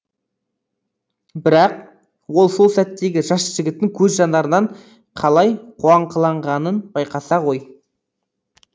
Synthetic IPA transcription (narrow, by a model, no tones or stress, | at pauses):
bɪɾɑq | wo̞lˠso̞lˠsæt̪ːe̞ɡʲɪʒɑsʒ̥ɪɡʲɪt̪ːɪŋkʲʰɵzʒɑnd̪ɑɾənɑɴ | qʰɑlˠɑjqʰuɑɴqʰəlˠɑɴʁɑnənbɑjqɑsɑʁo̞j